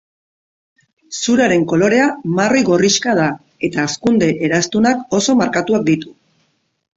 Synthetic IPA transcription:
suɾaɾe̞ŋko̞lo̞ɾe̞amaro̞jɣo̞riʃkað̞a | e̞t̪aːskund̪e̞ʔeɾast̪unako̞so̞maɾkat̪uak̚d̪it̪u̥

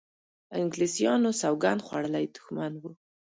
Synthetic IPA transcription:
ɪŋɡlisijɑnosawɡand̪xwaɽəlajd̪ʊ̥xmanwu

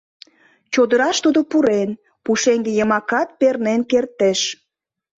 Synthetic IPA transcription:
t͡ɕod̪əɾɑʃt̪ud̪opuɾen | puʃeŋɡejəmɑkɑt̪̚pernenkert̪eʃ

